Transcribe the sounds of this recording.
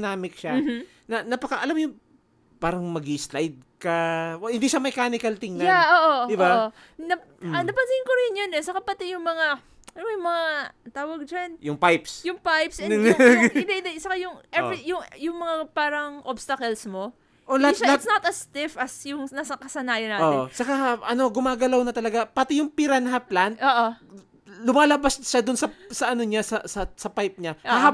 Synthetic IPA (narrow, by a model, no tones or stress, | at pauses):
naːmɪkʃam | nɐnɐpɐkɐʔɐlamjʊŋ | paːɾɐŋmɐɡislajd̪̚kɐhɪnd̪iːʃɐmɛkanɪkɐlt̪ɪŋnɐjaʔoːʔod̪ɪbao | nɐ | ɐnɐpɐnsɪɪŋkoɾɪnjonɛsɐkɐpɐt̪ɛjʊŋmɐŋa | ʔanmɐjŋmɐŋat̪aːwɐɡ̚d͡ʒɐnjʊŋpajpsjʊŋpajpsɛ | ɪd̪eɪd̪ɐɪsɐkɐjʊŋʔɛɪjʊŋjʊŋmɐŋapaːɾɐŋʔobst̪ɐkɐlsmo̞ | ʔolɐhat̪hat̪snat̪ɐst̪ɪfɐsjʊŋnɐsɐkɐsɐnaːjɐnaːtotoɪt͡ʃɐkaʔɐno̞ɡʊmaːɡɐlawnɐt̪ɐlɐɡapɐt̪ɛjʊŋpiɾanɦɐplanoːʔo | lʊmaːlɐbasʃad̪ʊnsɐsɐʔɐno̞ɲasɐsɐsɐpajp̚ɲaaa